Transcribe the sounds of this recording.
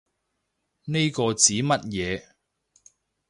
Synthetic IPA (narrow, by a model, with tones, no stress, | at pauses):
ne˥jkɔː˧t͡siː˨˥mɐ˥t̚jɛː˨˧